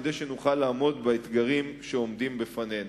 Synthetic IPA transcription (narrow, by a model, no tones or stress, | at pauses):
dejʃe̞nuχalːaːmo̞dbaet̪ɡaʁimʃeo̞md̪imbefane̞n